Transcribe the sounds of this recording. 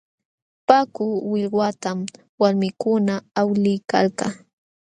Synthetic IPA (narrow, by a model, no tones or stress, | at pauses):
pakʊwɪʎɢwat̪am | waɾmɪkʊnaawlɪjka̰lkɑ